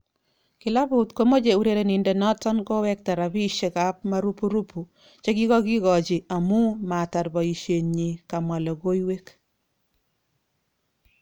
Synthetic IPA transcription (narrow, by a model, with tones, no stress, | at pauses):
kɪ˨la˦bʊ˨tko˦mo˦d͡ʒe˨u˨ɾe˦ɾe˨nɪ˨nde˨nɔ˦tɔ˦nkɔ˦wɛ˦k̚ta˨ɾa˨bi˦ʃe˨ka˦p̚ma˦ɾu˦pu˦ɾu˦pu˨ | t͡ʃe˦ɡi˦ɣɔ˦ɡɪ˦ɣɔ˨d͡ʒɪ˨a˨mu˦ma˨ta˨ɾbɔ˨i˨ʃe˨ɲɲi˨ka˨mwa˨lɔ˨ɡo˦jwe˦k